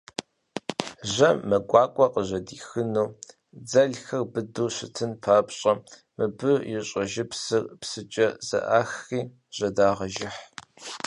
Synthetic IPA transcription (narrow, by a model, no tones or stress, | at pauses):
ʒɐmɐɡʷɑːkʷʼɔqʼəʑɐdiːxɨnuː | d͡zɐɮxɐrbɨduːɕɪtʰɨnpʰaːpɕʼɐ | mɨbɨjɪɕʼɐʒɪpsɨrpsɨt͡ʃʼɐz̥ɐ̰ʔaːxiː | ʑ̥ɐdaːʁɐʒɪħ